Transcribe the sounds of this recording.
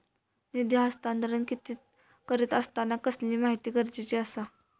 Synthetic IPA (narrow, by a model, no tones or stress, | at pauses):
nid̪jaast̪and̪əɾənkit̪iːt̪ | kəɾiːt̪əst̪anakəsliːmaɦit̪iːkəɾd͡ʑit͡ɕiəsa